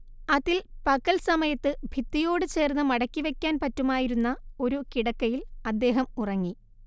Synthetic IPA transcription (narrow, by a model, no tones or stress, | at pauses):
ɐðilpɐɣɐlsɐmɐjɐt̪ːɨbʱit̪ːijo̞ːɽɨt͡ɕe̞ːrnːɨmɐɽɐkʲːiʋe̞kʲːaːnpɐtːumaːjiɾunːɐo̞ɾukiɽɐkːɐjilɐd̪ːe̞ːɦɐmurɐŋːi